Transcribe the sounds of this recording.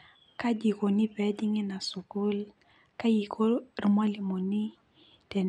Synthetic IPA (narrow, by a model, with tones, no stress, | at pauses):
ka˦d͡ʒi˨ko˨ni˦pɛ˨dɪ˦ŋe˦na˨su˨kʊ˦l | ka˦ji˨kʰo˦ri˦ma˦li˨mo˨ni˦ | d̥ɛ˨n